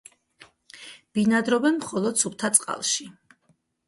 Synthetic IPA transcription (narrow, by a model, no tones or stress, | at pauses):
b̥inad̪ɾɔbɛnmχɔlˠɔd̪supt̪ʰat̪sʼqʼa̰lˠʃi